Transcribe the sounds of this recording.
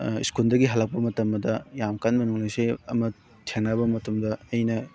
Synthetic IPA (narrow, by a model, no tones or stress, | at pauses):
ḭskuldɐɡiɦalak̚pɐmɐtɐmːɐdɐjamkanmɐnuŋlajseɐ̰mɐ | tʰeŋnabɐmɐtumdɐɐjnɐ